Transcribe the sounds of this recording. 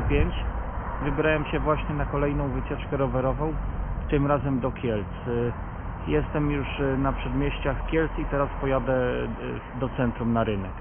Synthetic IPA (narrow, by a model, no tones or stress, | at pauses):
pʲjeɲt͡ɕvɘbʲɾawɛmɕɛvwaɕɲɛnakɔlɛjnɔ̃w̃vɘt͡ɕɛt͡ʂkɛɾɔvɛɾɔvɔ̃w̃t̪ɘmɾazɛmd̪ɔkʲjɛlt̪s | jɛst̪ɛmjuʂnapʂɛd̪mʲjɛɕt͡ɕaxkʲjɛlt̪sit̪ɛɾaspɔjad̪ɛ | d̪ɔt̪sɛnt̪ɾumnaɾɘnɛk